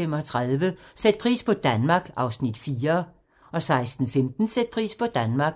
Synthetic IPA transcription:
em̰ɒ̽t͡sʰʁaðˠʋəsed̥̚pʰʁḭːspʰɒ̽d̥ænmɑ̈ːɡ̥ɑ̈ʊsnid̥fiːɐ | ɒ̽sɑ̈ɪsd̥n̩femd̥n̩sed̥̚pʰʁḭːspʰɒ̽d̥ænmɑ̈ːɡ̥

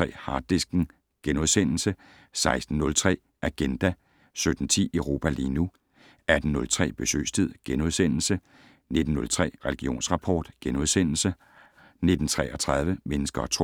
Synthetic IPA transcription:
ʁɛ̰ːhɑ̥̈ːisɡ̥n̩ | ɡ̥enuð̞ˠsen̰l̩sə | sɑ̈ɪsd̥n̩nɔ̽lt͡sʰʁɛ̰ː | ʔæɡ̥end̥æ | sød̥n̩t͡sʰḭːəʊʁo̝ːpʰæliːnu | æd̥n̩nɔ̽lt͡sʰʁɛ̰ːb̥e̝sø̰ːst͡sʰið̞̰ˠɡ̥enuð̞ˠsen̰l̩sə | ne̝d̥n̩ːɔ̽lt͡sʰʁɛ̰ːʁɛliɡ̥io̝̰ːnsʁɑ̈pʰɒ̰ːd̥ɡ̥enuð̞ˠsen̰l̩sə | ne̝d̥n̩t͡sʰʁɛ̰ːɐt͡sʰʁɑ̈ð̞ˠʋəmenəsɡ̥ɐɒt͡sʰ

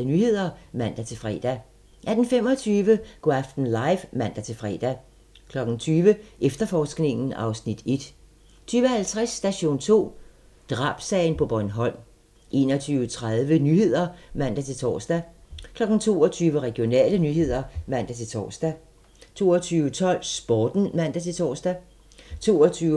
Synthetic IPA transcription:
ənyhe̝ð̞̰ˠɐmæn̰d̥æt͡sʰe̝lfʁɛ̰ːd̥æ | ʔæd̥n̩femɒ̽t͡sʰyːʋəɡ̥ʁɑfd̥n̩lɑ̈ɪfmæn̰d̥æt͡sʰe̝lfʁɛ̰ːd̥æ | kʰlɒ̽ɡ̥n̩t͡sʰyːʋəʔefd̥ɐfɒːsɡ̥ne̝ŋn̩ɑ̈ʊsnid̥e̝d̥ | t͡sʰyːʋəhælt͡sʰʁɛsːd̥æɕo̝̰ːnt͡sʰo̝̰ː | d̥ʁɑ̈ːb̥sɛːɪnpʰɒ̽b̥ɒnɦɒ̽n̰ | ʔe̝ːnɒt͡sʰyːʊət͡sʰʁað̞ˠʋənyɦe̝ð̞̰ˠɐmæn̰d̥æt͡sʰe̝lt͡sʰɒ̰ːsd̥ækʰlɒ̽ɡ̥n̩t͡sʰo̝ːɒt͡sʰyːʋəʁɛɡ̥ijo̝nɛ̰ːlənyɦe̝ð̞̰ˠɐmæn̰d̥æt͡sʰe̝t͡sʰɒ̰ːsd̥æ | t͡sʰo̝̰ːɒt͡sʰyːʊət͡sʰɒ̽l̰sb̥ɒːd̥n̩mæn̰d̥æt͡sʰe̝t͡sʰɒ̰ːsd̥æ | t͡sʰo̝̰ːɒt͡sʰyː

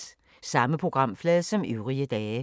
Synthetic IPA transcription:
sɑ̈məpʰʁoɡ̥ʁɑ̈m̰flɛːðˠsɒ̽myʊʁiəd̥ɛː

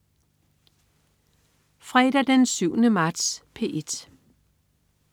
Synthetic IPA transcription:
fʁɛd̥ɐd̥ensyʊnəmɑ̈ːd̥spʰe̝ʔe̝d̥

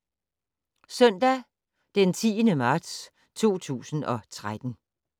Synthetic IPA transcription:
sœn̰d̥æ | d̥ent͡sʰḭːənəmɑ̈ːd̥s | t͡sʰo̝̰ːt͡sʰṵːsn̩ɒ̽t͡sʰʁad̥n̩

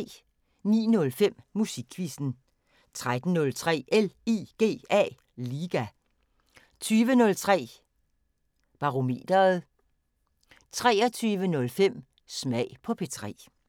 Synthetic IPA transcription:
nḭːnɔ̽lfem̰ːusiɡ̥ʰʋisd̥n̩ | t͡sʰʁad̥n̩nɔ̽lt͡sʰʁɛ̰ːʔelḭːɡ̥e̝̰ːɛ̰ː | liːɡ̥æ | t͡sʰyːʋənɔ̽lt͡sʰʁɛ̰ː | b̥ɑ̈ʁo̝me̝̰ːd̥ɐð̩ˠ | t͡sʰʁɛːɐt͡sʰyːʋənɔ̽lfem̰ | smɛɪ̰pʰɒ̽pʰe̝t͡sʰʁɛ̰ː

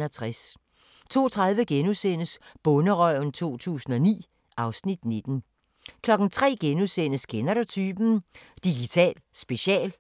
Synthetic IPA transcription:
æt͡sʰʁas | t͡sʰo̝̰ːt͡sʰʁäð̞ˠʋəɡ̥enusen̰əsb̥ɔ̽nəʁœ̰n̩t͡sʰo̝̰ːt͡sʰṵːsn̩ɒ̽nḭː | ʔɑ̈ʊsnid̥ne̝d̥n̩ | kʰlɒ̽ɡ̥n̩t͡sʰʁɛ̰ːɡ̥enusen̰əskʰenɐɾot͡sʰyːb̥n̩d̥iɡ̥it͡sʰɛ̰ːlsb̥e̝ɕɛ̰ːl

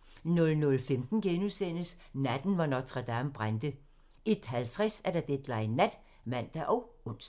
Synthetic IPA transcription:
nɔ̽lnɔ̽lfemd̥n̩ɡ̥enusen̰əsnæd̥n̩ʋɑ̈nɒt͡sʰʁɑd̥æmb̥ʁand̥ə | ed̥hælt͡sʰʁɛsæɐɾ̥ɑ̈d̥ed̥lɑ̈ɪnæd̥ | mæn̰d̥æʔɒ̽ʊɔ̽n̰s

